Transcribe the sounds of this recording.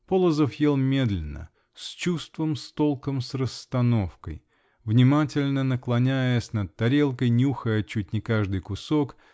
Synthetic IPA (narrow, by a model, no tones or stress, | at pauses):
po̞lˠəzəfjelˠmʲe̞d̪lʲɪnːə̰ | sʲt͡ɕust̪vəmst̪o̞lˠkəmsrəst̪ɐno̞fkə̰j | vnʲɪmatʲɪlʲnənəklˠɐnʲæjəsʲnət̪̚t̪ːɐɾʲe̞lˠkəjnʲuxəjət͡ɕut̚ʲnʲɪkaʐd̪ɨjkʊsok